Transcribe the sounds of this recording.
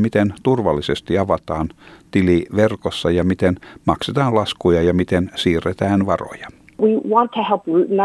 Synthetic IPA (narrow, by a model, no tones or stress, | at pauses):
mit̪ent̪urʋɑlːisest̪iɑʋɑt̪ɑːnt̪iliʋerkosːɑjɑmit̪enmɑkset̪ɑːlɑskujɑjɑmit̪ensiːrːet̪æːnʋɑro̰jɑ | wiwɑ̃ntʰəhɛlˠpɹʉʔn̩